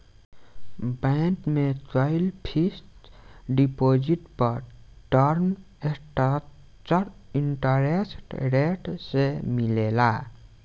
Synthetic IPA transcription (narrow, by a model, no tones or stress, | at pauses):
bankmet͡ʃɔilpʰisʈɖipod͡ʒiʈpəɾʈəɾm | eʈ | t͡ʃəɾiɳʈəɾesʈɾeʈsemilela